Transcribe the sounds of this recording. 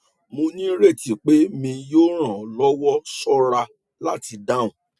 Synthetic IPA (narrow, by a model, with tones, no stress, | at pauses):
mo˧nĩ˦ɾe˦˨ti˨k͡pe˦mĩ˧joː˦ɾ̃ã˨lɔ˦wɔ˦sɔ˦ɾa˧ | la˦ti˧da˦˨ũ˨